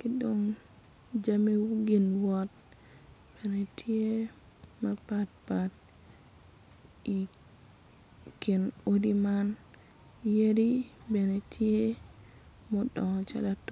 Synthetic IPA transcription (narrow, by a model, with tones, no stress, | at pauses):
kɪ˦doŋ | d͡ʒa˦me˦wuɡɪ˨nwɔ˦t̚ | b̥e˨ne˨tʰje˦ | ma˦pat̚pat | i | kɪ˨no˦di˦ma˦n | je˦ɾi˦be˨ne˨tʰje˦ | mɔdɔ˨t͡ʃa̰˦lat